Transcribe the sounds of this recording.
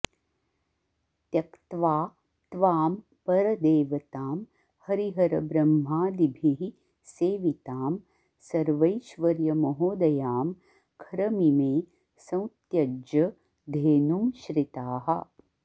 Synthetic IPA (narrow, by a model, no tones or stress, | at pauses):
t̪jɐkt̪ʋaː | t̪ʋaːm | pɐɾɐd̪eːʋɐt̪aːm | hɐɾiɦɐɾɐbɾɐmɦaːd̪ibʱiɦi | seːʋit̪aːm | sɐɾʋɐjʃʋɐɾjɐmɐɦoːd̪ɐjaːm | kʰɐɾɐmimeː | sɐ̃w̃t̪jɐd͡ʒɐ | d̪ʱeːnumʃɾɪt̪aːɦɐ